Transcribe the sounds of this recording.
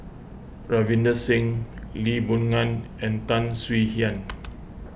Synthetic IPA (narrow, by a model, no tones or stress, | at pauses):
ɹavĩndəsɪ̃ŋlibunŋãn | ɛ̃nt̪ãnswihiãn